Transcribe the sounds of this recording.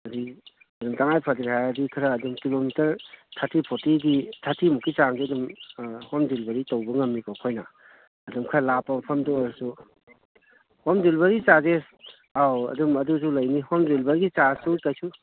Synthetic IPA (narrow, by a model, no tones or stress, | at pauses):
ɐdi | ɐdumtaŋajpʰɐdɾiɦajɐdikʰɾɐːdumkilomitɐɾtʰatʰipʰotiɡitʰatʰimukːit͡ʃaŋɡiɐdumhomdilbɐɾitowbɐŋɐmnikokʰojnɐː | dumkʰɾɐlapːɐmɐpʰɐmdɔɾsu | homdilbɐɾit͡ʃazes | awɐ̰dumɐdus̬ulɐjnihomdilbɐɾɡit͡ʃasukɐjsʰu